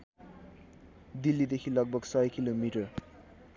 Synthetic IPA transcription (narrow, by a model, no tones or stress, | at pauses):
d̪ilːid̪ekʰilʌɡ̚bʱʌɡsʌjkilomiʈʌr